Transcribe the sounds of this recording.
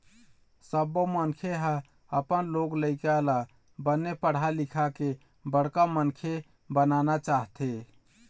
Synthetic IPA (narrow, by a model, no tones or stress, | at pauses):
səbːomənkʰeɦə̃ | əpənloɡləɪkela | bənːepəɽ̤alikʰake | bəɽ̤kamənkʰe | bənanat͡ʃaɦt̪e